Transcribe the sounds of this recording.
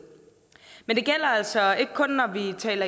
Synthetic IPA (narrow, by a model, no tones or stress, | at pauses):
mend̥e̝ɡ̥el̰ɐæl̰sɒe̝ɡ̥əkʰɔ̽nːɒʋit͡sʰɛ̰ːlɐ